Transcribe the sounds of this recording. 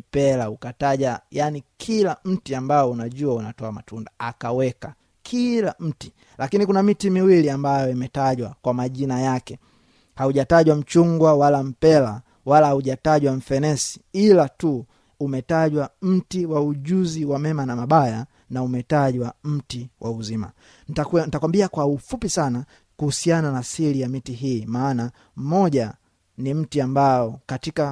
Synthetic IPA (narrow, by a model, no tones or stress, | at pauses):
pɛlaukataʄwajanikʰilam̩tiambaɔunaʄuaunatɔamatundaakawɛka | kʰilam̩ti̥ | lakinikunamitimiwiliambajɔimɛtaʄwakwamaʄinajakɛ | hauʄataʄwam̩t͡ʃuŋɡwawalam̩pɛla | walahauʄataʄwaɱ̩fɛnɛsi̥ilatu | umɛtaʄwam̩tiwauʄuziwamɛmanamaɓaja | naumɛtaʄwam̩tiwʔauzima̰ | nantakwambiakwaufupisana | kuhusiananasilijamitiɦiːmaːna | m̩mɔʄa | nim̩tiambaɔkatika